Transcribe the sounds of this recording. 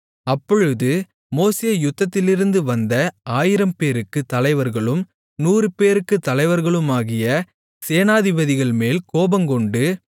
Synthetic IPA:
ɐpːɔɻɯðɯ | moːseːjʊt̪ːɐt̪ːɪlɪɾɯnd̪ɯʋɐnd̪ɐaːjɪɾɐmpeːɾɯkːɯt̪ːɐlɐɪʋɐɾɣɐɭɯm | nuːrɯpeːɾɯkːɯt̪ːɐlɐɪʋɐɾɣɐɭɯmaːɣɪjɐ | seːnaːðɪbɐðɪɣɐɭmeːlkoːbɐmkɔɳɖɯ

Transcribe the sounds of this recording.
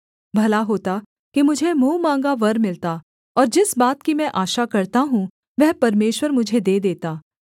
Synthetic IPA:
bʱɐlaɦoːt̪a | kimʊd͡ʒʱemũːmãːŋɡaʋɐɾmɪlt̪a | ɔːɾd͡ʒɪsbaːt̪kimɛ̃ʔaːʃakɐɾt̪aɦũ | ʋɛɦpɐɾmeːʃwəɾmʊd͡ʒʱed̪eːd̪eːt̪aː

